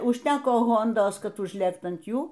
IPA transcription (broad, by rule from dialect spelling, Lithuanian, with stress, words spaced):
ʊʃʲˈtʲæːkoː ˈɣoːndoːs ˈkɐt ʊʒʲˈlʲeːkt ɐn ˈjuː